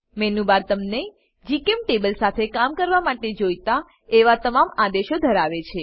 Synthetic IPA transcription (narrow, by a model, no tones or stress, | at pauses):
mɛnũbaɾt̪əmne | d͡ʒikemʈebəlsat̪ʰekamkəɾʋamaʈed͡ʒojt̪a | eʋat̪əmamad̪eʃod̪ʱəɾaʋet͡ʃʰe